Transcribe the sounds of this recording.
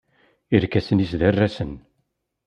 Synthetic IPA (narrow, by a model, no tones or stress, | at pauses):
iɾkæsənisðærːæsən